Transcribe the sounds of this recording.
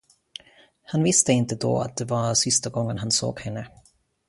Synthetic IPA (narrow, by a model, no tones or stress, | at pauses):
hanvɪst̪əɪnt̪əd̪ɔ̰ːa̰t̪̚d̪ɛvasɪst̪aɡɔŋːənɦanso̰ːɡhɛnːə